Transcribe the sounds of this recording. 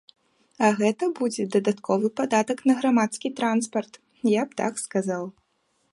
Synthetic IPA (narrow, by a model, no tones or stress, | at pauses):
ɐɣɛt̪ɐbud͡zʲɛd̪ɐd̪at̪kʰɔvɨpad̪at̪ɐknɐɣɾamat̪skʲit̪ɾanspɐrt̪ | japt̪a̰kskazaw